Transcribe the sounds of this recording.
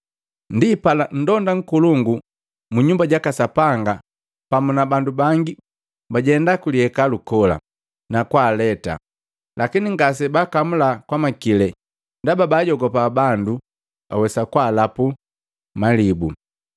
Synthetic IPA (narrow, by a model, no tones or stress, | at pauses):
ndipalan̩dɔndaŋ̩kuluŋɡu | muɲumbaɟakasapaŋɡa | pamunabandubaŋɡi | baɟɛndakuliɛkalukɔla̰ | nakwaːlɛta̰ | lʔakiniŋɡas̬ɛbakamulakwamakilɛ | ndababaɟɔɡɔpabandu | ba̰wɛsakwaːlapu | malibu